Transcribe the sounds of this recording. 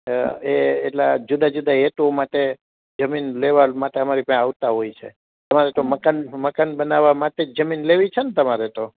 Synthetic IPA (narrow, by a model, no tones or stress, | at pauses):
eeʈlad͡ʒud̪ad͡ʒud̪aet̪omaʈe | d͡ʒəminleʋalmaʈeəmaɾipə̃aʋt̪aɦojt͡ʃʰe | t̪əmaɾet̪oməkanməkanbənaʋamaʈed͡ʒəminleʋit͡ʃʰent̪əmaɾet̪o